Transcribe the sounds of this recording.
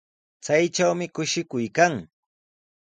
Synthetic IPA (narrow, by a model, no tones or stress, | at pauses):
t͡sajt͡ʃawmɪkʊʃɪkʊjkaŋ